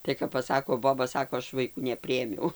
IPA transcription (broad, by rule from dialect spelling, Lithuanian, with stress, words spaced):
tɐɪ kɐp pɐˈsɑːkoː ˈboːbɐ ˈsɑːkoː ˈɐʃ ʋɐɪˈkuː nʲɛˈpʲrʲɪeːmʲɛʊ